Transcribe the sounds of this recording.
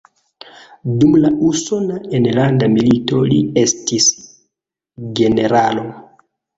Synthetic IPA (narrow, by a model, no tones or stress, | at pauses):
dumlaʔuso̞naenlandamilito̞lie̞stis | ɡe̞ne̞ɾalo̞